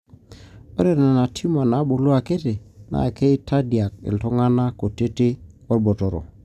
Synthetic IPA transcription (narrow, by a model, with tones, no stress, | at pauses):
o˦ɾe˨ɾna˨na˨tʰi˦ma˨na˨˦ɓo˨lu˦a˨ke˦te˨na̰˨ke˦i˦tʰa˦di˨a˨k̚ḭ˨lto˦ŋa˦na˦ko˨te˦te˦ | wo˦ɾbo˨to˨ɾo̰˨